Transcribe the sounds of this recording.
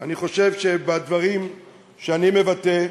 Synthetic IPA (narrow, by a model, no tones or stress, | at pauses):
aniχo̞ʃe̞vʃebad̪vaʁim | ʃeanime̞vat̪e